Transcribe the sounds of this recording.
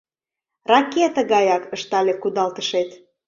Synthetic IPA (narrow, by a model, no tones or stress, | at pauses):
rɑket̪əɣɑjɑkəʃt̪ɑlʲekud̪ɑlt̪əʃet̪